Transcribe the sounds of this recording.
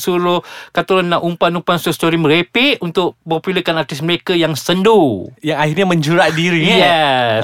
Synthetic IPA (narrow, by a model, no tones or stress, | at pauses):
suɾʊkat̪oɾanːaʔumpanumpansust̪oɾiməɾepɪʔunt̪ʊʔ̚populəkanart̪isməɾekajaŋsəndujaŋahiɾɲamə̃ɲd͡ʒuɾaʔdiɾijɛ